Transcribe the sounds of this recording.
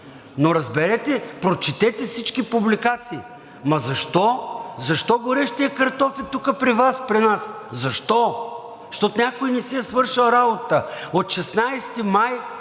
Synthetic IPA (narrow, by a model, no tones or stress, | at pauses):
noɾɐzbɛɾɛt̪ɛpɾot͡ʃɛt̪ɛt̪ɛfsit͡ʃkipublikat̪siː | mɐzɐʃt̪ɔzɐʃt̪ɔɡoɾɛʃt̪iɐkɐɾt̪ɔfɛt̪ukəpɾivaspɾinas | zɐʃt̪ɔ | ʃt̪ɔt̪onʲakoinɛsiɛsvɤɾʃilˠɾabot̪əot̪ʃɛsnajst̪imaj